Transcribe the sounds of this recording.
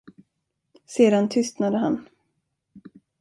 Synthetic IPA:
seːd̪ant̪ʰʏst̪nad̪əɦan

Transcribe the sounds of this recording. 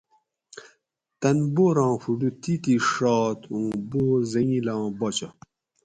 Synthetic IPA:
t̪ɐnboɾɑ̃ːxuɖut̪it̪iʂɑːt̪ũːbozɐŋĩlãːbɐt͡ɕɐ

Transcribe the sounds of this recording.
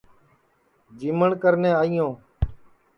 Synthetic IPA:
d͡ʒiːməɳkəɾnẽːaːijõː

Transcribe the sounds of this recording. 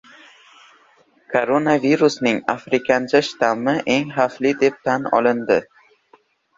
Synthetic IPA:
kʰoɾonaviɾusnɪŋa̰fɾɪkʲʰant͡ʃʰaʃɪ̥t̪ʰamɪʔe̞ŋχaflɪd̪e̞p̚t̪ʰanɒ̰lɪnd̪ɪ

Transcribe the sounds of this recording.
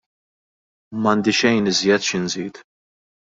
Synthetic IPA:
mɐnd̪ɪʃɛjnɪzjɛt̪ʃɪnziːt̪

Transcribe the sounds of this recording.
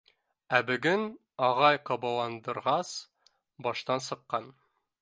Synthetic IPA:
æbɘ̆ɡɘn | ɒʁɑjqɒbɑlˠɑnd̪ɤ̆ɾʁɑs | bɒʃt̪ɑnsɤ̆qːɑn

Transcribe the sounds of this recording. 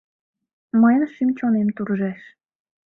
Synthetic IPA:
məjənʃimt͡ɕonemt̪uɾʒæʃ

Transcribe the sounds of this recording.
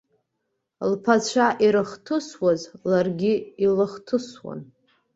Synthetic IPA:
lpʰat͡ɕʷʰaʔiɾɨχtʰɨswazlarɡʲiilɨχtʰɨswa̰n

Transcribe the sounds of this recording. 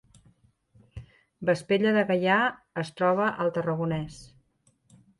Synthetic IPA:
bəspeʎəðəɣəjaəst̪ɾɔβ̞əʔəlˠt̪ərəɣunɛs

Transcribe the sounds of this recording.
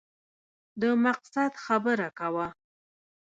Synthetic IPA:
d̪əmaqsad̪xabəɾakawa

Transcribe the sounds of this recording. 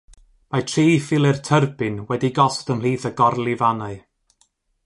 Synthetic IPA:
matʰriːfɪlˠɛrtʰərbɪnwɛdiɡɔstəml̥iːθəɡɔrlˠɪvanaɨ

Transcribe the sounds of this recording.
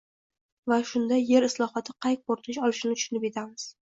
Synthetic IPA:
vaʃʊnd̪aje̞ɾɪslˠɒχɒt̪ʰɪqʰɑjk̚boɾt̪ʰɪʃɒlˠɪʃɪnɪt̪ʰʊ̥ʃʊnɪpe̞t̪ʰamɪz̥

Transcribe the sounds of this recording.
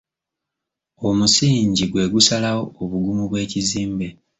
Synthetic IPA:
o̞musiːɲɟiɡwe̞ːɡusalawoːβuɡumuβwe̞ːciziːmbe̞

